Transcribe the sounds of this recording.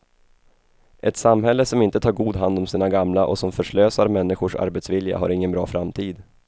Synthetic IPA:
ʔɛt̪samɦɛlːəsɔmɪnt̪ət̪ʰɑːɾɡuːd̪ɦand̪ɔmsiːnaɡamlaʔɔsɔmfœʂɭøːsaɾmɛnːɪɧʊʂa̰ɾbɛt̪svɪlja̰ɦa̰ɾɪŋːənbɾɑ̰ːfɾamt̪ʰiːd̪

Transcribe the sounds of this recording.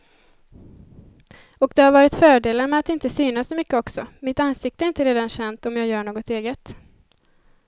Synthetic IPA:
ɔkd̪ɛhaɾvɑːɾɪt̪fœːɖeːlaɾmɛat̪ɪnt̪əsyːnassɔmʏkːəɔksɔmɪt̪anːsɪk̚t̪əɛɾɪnt̪əɾeːd̪anɕɛnt̪ɔmjɑːɡjœːɳoːɡɔt̪eːɡət̪

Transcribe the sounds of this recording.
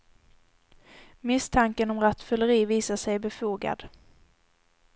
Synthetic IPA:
mɪst̪ʰaŋkənɔmɾat̪fœləɾiːviːsaʂɛjbɛfuːɡa̰d̪̥

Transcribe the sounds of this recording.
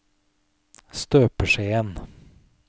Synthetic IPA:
st̪øːpəʂeən

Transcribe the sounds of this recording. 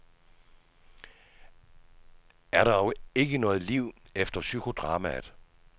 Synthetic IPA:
æɐɾɑ̈ɒʊe̝ɡ̥ənɔ̽ːð̞̩ˠliʊ̰efd̥ɐsykʰo̝d̥ʁɑ̈ːmæ̰

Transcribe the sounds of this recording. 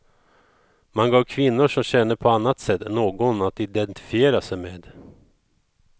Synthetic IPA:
manɡɑːvkʰvɪnːʊʂɔmɕɛnːəpʰɔanːat̪sɛt̪ːnoːɡɔnat̪ɪd̪ɛnt̪ɪ̥fɪeːɾasɛjmeːd̪

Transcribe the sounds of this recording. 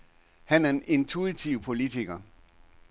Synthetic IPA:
hænæɐene̝nt͡sʰuit͡sʰiʊpʰo̝lit͡sʰiɡ̥ɐ

